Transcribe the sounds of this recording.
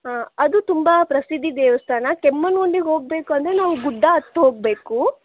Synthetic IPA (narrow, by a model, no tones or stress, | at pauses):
ɦaːɐd̪ut̪umbapɾɐsid̪ʱːid̪eːʋɐst̪ʰaːnɐkemːɐnɡoɳɖiɡɦo̞ːɡ̚be̞ːkuɐnd̪ɐɾenaːʋuɡuɖʱːaɐt̪ːɐɦoːɡ̚be̞ːku